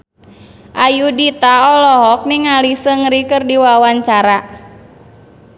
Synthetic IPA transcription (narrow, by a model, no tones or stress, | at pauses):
ʔajudit̪aɔlɔɦɔk̚niŋalisəŋɾikərdiwawaɲt͡ʃaɾa